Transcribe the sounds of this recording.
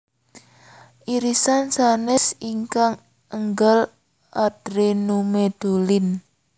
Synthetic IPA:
ʔiɾisansanɛsiŋkaŋ | əŋɡəl | ʔad̪̥ɾenumed̪̥olɪn

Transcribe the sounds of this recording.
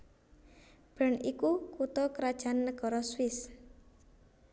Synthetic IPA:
b̥ə̤nikukut̪ɔkɾad̥ʒ̥a̤nːəɡ̥ɔ̤ɾɔswɪs

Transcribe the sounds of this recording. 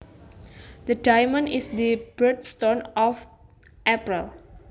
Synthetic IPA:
d̪ədajmə̃nisd̪əbət̪st̪ɔ̃nɔf | ʔɛpɹəl

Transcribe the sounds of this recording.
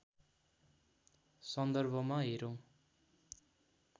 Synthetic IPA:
sʌnd̪ʌrbʱʌmaɦeɾow̃

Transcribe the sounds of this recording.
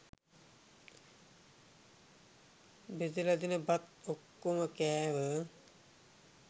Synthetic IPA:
bed̪ilad̪inəbat̪̚okːuməkɛːʋə

